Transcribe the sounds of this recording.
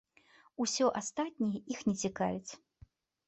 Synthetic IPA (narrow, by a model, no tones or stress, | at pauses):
usʲɔʔast̪at̪ʲnʲijɛʔixnʲɛt͡sʲika̰vʲɛt͡sʲ